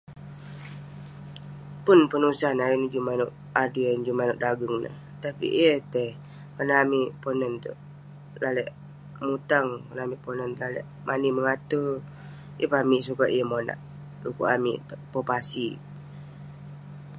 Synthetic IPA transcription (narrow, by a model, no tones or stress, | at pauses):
pʊnpənusanaind͡ʒumanʊʔ | aduand͡ʒumanʊʔdaɡəŋnə̰h | t̪apḭʔət̪ə | kənamiʔponənt̪ə̰ʔ | lalɛʔ | mut̪aŋkənamiʔponənlalɛ̰ʔ | mʔaniməŋat̪ə | jʔə̰pamiʔsukaʔiəmona̰ʔ | lukṵʔamḭʔt̪əʔpopasi